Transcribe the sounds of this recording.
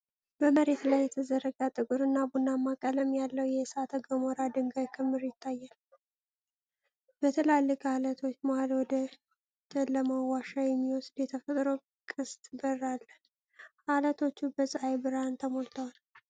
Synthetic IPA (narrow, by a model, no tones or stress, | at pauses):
b̥əməɾe̞t̪lajːɛt̪ʰəzəɾəɡat̪ʼɨkʼuɾɨnːabunːamːakʼələmjalːəwjɛsat̪ʰəɡəmoɾad̪ɨŋɡajkʰɨmːɨɾjɪt̪ʰːajːal | bət̪ʰəlalːɨkʼhalət̪ʰo̞t͡ʃːmohalwɔd̪ə | t̪ʰəlləməwaʃajɛmːiwɔsd̪jɛt̪ʰəfət̪ʼɾo | kʼɨst̪ʼbərːalːə | ʔalət̪ʰo̞t͡ʃːubəsʼɨajbɨɾant̪ʰəmo̞lt̪ʰəwal